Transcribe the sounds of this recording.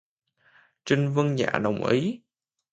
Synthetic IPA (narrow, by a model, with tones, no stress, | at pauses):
t͡ɕï˧ŋ̟vɨ˧əŋza̰ː˧˩˨ɗə̰˨˩wŋ͡mʔi˨˦